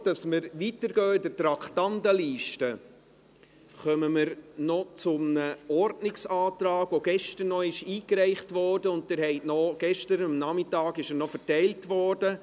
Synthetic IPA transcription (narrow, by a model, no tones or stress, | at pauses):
d̥ɑsməɾʋitəɾɡœːɪdətɾɑktɑndəliːʃtə | χœməməɾnɔt͡sʊmnəɔɾdnɪksɑːtɾɑːɡʋoɡ̥ɛʃtənnɔɪʃiːkɾɛɪχtʋɔɾdəʊnttɪɾɦɛɪtnɔɡ̥ɛʃtəɾəmnɑmɪtɑːɡɪʃənɔfəɾtɛɪltʋɔɾd̥ə